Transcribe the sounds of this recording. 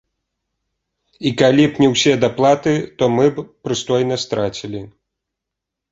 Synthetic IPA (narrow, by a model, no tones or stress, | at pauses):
ikalʲipnʲɛwsʲɛd̪aplˠat̪ɨt̪ɔmɨbpɾɨst̪ɔjnɐst̪ɾat͡sʲilʲi